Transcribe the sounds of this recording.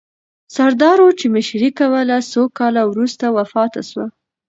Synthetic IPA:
saɾd̪ɑɾot͡ʃemɪʃɾikawəlasokɑlawɾust̪awafɑt̪a̰ʃwa

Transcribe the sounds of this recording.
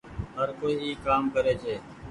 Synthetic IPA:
ɦəɾkoːiːeːkːaːmkəɾeːt͡ʃʰeː

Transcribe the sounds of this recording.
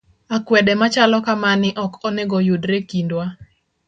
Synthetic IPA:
akwɛdɛmat͡ʃalɔkamanɪʔɔkɔnɛɡɔjudɾekindwa

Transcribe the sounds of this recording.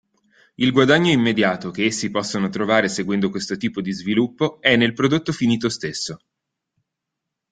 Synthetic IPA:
ilɡwad̪aɲːoimːed̪jaːt̪ok̟eesːipɔsːonot̪ɾovaːɾeseɡwɛnd̪okwest̪ot̪iːpod̪izvilupːoɛnːelpɾod̪ot̪ːofiniːt̪ost̪esːo

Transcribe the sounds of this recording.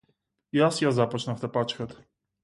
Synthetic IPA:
jasjazapɔt͡ʃnaft̪ɛpat͡ʃkɛt̪

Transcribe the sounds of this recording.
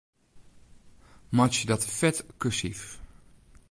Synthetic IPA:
mat͡ʃdɑtfɛtkəsif

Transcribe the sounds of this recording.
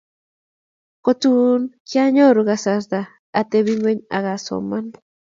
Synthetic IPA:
kot͡sunkjaɲoɾuɣasasd̪aː | t̪eβiŋeɲa̰ɣaso̰man

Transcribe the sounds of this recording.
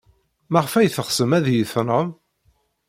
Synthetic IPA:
mæʁfæjθəχsəmæðjəθɾəm

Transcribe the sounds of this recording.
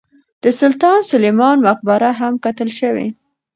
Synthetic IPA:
d̪̥əsʊlt̪ɑnsʊlemɑnmaq̚baɾaɦamkat̪əlʃəwḛ

